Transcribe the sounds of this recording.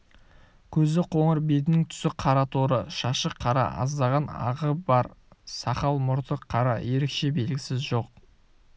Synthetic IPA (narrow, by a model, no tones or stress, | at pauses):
kʲʰɵzd̪ɪqʰo̞ɴəɾbe̞t̪̬ɪnɪŋt̪ʰʏ̥sɪqʰɑɾɑt̪ʰoɾəʃɑʃəqʰːɑɾɑ̰ʔɑ̰zd̪ɑʁɑnɑ̰ʁəbɑɾsɑqɑlˠmʊɾt̪əqʰːɑɾɑje̞ɾe̞kʃe̞be̞lɡʲɪsɪzʒo̞q̚